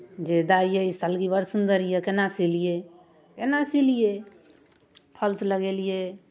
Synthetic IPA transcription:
d͡ʒed̪aijeisəlɡibəɾsund̪əɾijekenasilije | kenasilije | pʰəlsləɡelije

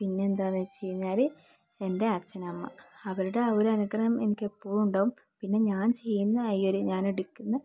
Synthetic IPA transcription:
pinːeːnd̪aːnːɐt͡ɕe̞jːuɲːaːɾɨ | ende̞ɐt͡ɕːɐnɐmːɐ̰ɐʋɐɾuɽe̞ɐoɾɐnuɡɐrɐɐme̞nikʲːe̞pːoːɭuɳɖɐːʋum | pinːe̞ɲaːnt͡ɕe̞jːunːɐːjio̞ɾuɲaːneɽukʲːunːɐ

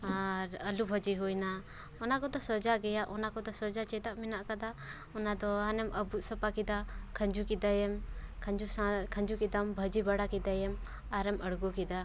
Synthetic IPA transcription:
aɾəlubʱəd͡ʒiɦujna | ɔnakɔd̪ɔsɔd͡ʒaɡɛjaʔɔnakɔd̪ɔsɔd͡ʒat͡ʃɛt̪aʔminaʔkad̪a | ɔnad̪ɔanɛməbuʔ̪̚sɔpakid̪akʰə̃ɲd͡ʒukid̪ajɛmkʰəɲd͡ʒusãkʰə̃ɲd͡ʒukid̪ambʱəd͡ʒibaɽakid̪ajɛm | aɾɛməɽɡɔkid̪a

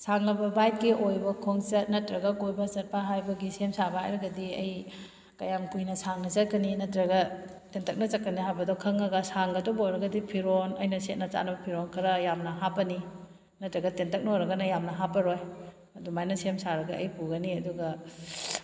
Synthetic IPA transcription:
saŋnɐbɐbajt̚kiʔojbɐkʰoŋsɐt̚nɐtɾɐɡɐkojbɐsɐt̚pʰaɦajbɐɡisemsabɐa̰jɾɐɡɐdiɐ̰j | kɐjamkujnɐsaŋnɐzɐt̚kɐninɐtɾɐɡɐ | tentʰɐk̚nɐt͡ʃɐt̚kːɐniɦajbɐdɔkʰɐŋːɐɡɐsaŋɡɐdoboɾɐɡɐdipʰiɾonɐjnɐset̚nɐt͡ʃa̰nɐbɐpʰiɾonkʰɐɾɐjamnɐɦapɐni | nɐtɾɐɡɐtentɐk̚nɐojɾɐɡɐnɐjamnɐɦapɐɾoj | ɐdumajnɐsemsaɾɐɡɐʔɐjpuɡɐniɐduɡɐ

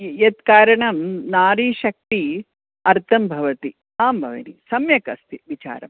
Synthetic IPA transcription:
jet̪kaːɾɐɳɐmnaːɾiːʃɐk̚t̪i | ɐɾt̪ʰɐmbʱɐʋɐt̪i | aːmbʱɐʋɐ̰nisɐmjɐkɐst̪ʰiʋit͡ʃa̰ːɾɐm

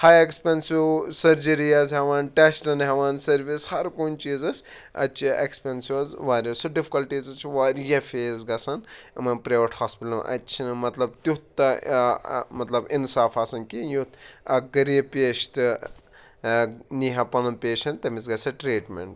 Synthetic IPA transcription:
hajekspʲensusɐɾd͡ʒɐɾijɐzɦɛʋaːnʈesʈɐnɦɐʋaːnsɐɾʋishɐɾkunʲt͡ʃiːzɐs | ɐ̰t͡ʃʰiʔḛkspʲensjuzʋaːɾʲɐsuɖifi̥kɐlʈiːzɐt͡ʃʰuʋaːɾjɐfeːzɡɐsɐnmɐnpɾeːʋɐʈʰhaːspiʈlɐm̰ʔɐ̰t͡ʃʰinɨmɐt̪lɐbt̪ut̪ːɐ | mɐt̪lɐbinsaːfaːsɐnkijut̪ɐɡɐɾipʲeːʃt̪ɨ | niɦɐpɐnɐnpʲeːʃɐnt̪ɐmisɡɐsʲɐʈɾiːʈmʲḛɳʈ

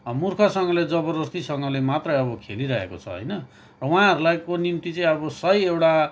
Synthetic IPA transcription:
murkʰʌsʌŋɡʌled͡zʌbʌɾʌst̪isʌŋɡʌlemat̪rʌjʌbʌkʰeliɾʌɦḛkot͡sʰʌ̰ɦʌ̰jnʌ | rʌw̃ãɦʌɾulajkonimt̪it͡sʌĩʌbʌsʌiewʈa

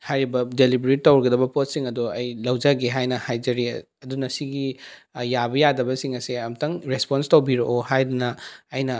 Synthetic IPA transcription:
hajɾibɐdelibɾit̚ːɐwɾɡɐdɐbɐpot̚siŋɐduɐjlɐwd͡ʒɐɡeɦajnɐhajd͡ʒɐɾi | ɐdunɐsiɡijabɐjadɐbɐsiŋɐseɐmtɐŋɾesponstɐwbiɾoʔohajdunɐɐjnɐ

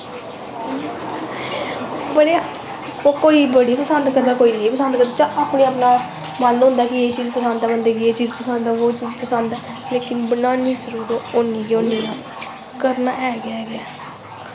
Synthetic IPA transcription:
bəɽea | okoːiːbəɽiːpəsənd̪kəɾd̪aːkoːiːneːpəsənd̪kəɾd̪aːt͡ʃãːʔaːpniːaːpnãː | maːnːɦʊ̃ːnd̪aːkɪeːt͡ʃiːzpəsənd̪aːbənd̪eːɡieːt͡ʃiːzpəsənd̪aːʋoːt͡ʃiːzpəsənd̪ɛːleːkɪnbənaːniːzəɾuːɾoːonːĩːɡonːiːa | kəɾnaːʔɛːɡɪaːɡɪaː

